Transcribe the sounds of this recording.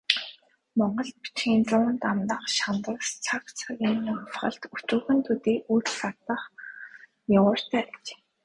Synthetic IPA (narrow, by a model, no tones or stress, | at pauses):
mɔɴɢɞ̆ɮt̪̚pi̥t͡ɕxiːnt͡sʊːnt̪amt̪ə̆χʃant̪ə̆st͡sʰakt͡sʰaɣʲinɮχə̆ɬt̪ut͡ɕuːxɘ̆nt̪ʰut̪eːʔut͡ɕsart̪ə̆χ | jawəːr̥t̪ʰæːt͡ɕe̥ː